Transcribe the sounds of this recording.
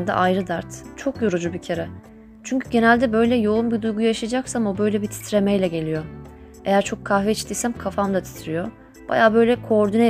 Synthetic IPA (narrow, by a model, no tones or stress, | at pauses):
nd̪a̰ʔajɾɯd̪aɾt̪t͡ʃʰo̞kjoɾud͡ʒubicʰeɾɛ | t͡ʃʰyɲcʰyɟe̞nælʲd̪ɛbø̞jlʲɛjo̞unbid̪ujɡujaʃajd͡ʒaksamobø̞jlʲɛbit̪ʰi̥t̪ʰɾe̞mejlʲɛɟe̞lʲijo̞ | e̞jæɾt͡ʃʰo̞kʰːahvɛit͡ʃt̪ʰijsæmkʰafamd̪at̪ʰi̥t̪ʰɾijo̞ | b̥a̰jaːbø̞jlʲɛkʰo̞ɾd̪ynɛ